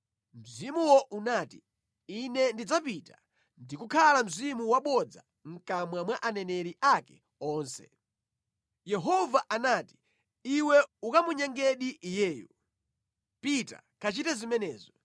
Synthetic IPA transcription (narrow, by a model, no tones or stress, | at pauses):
m̩zimuwɔʔunaːti | inɛndid͡zapita | ndikukʰalam̩zimuwaɓɔd͡za̰ | ŋ̩kamwamwaʔanɛnɛɾiʔakɛ̥ | ɔːnsɛ̥̰ | jɛɦɔvaʔanaːti̥ | iwɛukamuɲɛŋɡɛɗiʔijɛːjṵ | pita̰kʰat͡ʃitɛzimɛnɛːzɔ